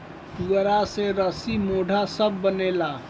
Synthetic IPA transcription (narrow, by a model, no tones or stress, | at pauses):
t̪uɾaseɾəsimoːɖʱasəbːəneːla